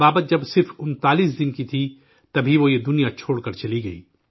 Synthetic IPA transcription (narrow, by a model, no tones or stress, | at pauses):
aːbət̪̚d͡ʒɐbsɪɾfʊnt̪aːliːsd̪ɪnkit̪ʰi | t̪ɐbʱiʋojed̪ʊnijat͡ʃʰoːɽkɐɾt͡ʃɐliɡɐiː